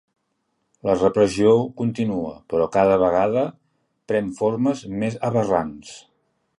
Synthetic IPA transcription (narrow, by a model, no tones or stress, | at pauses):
lərəpɾəziokunt̪inuəpəɾɔkaðəβəɣ̞aðə | pɾɛɱforməzmezəβərans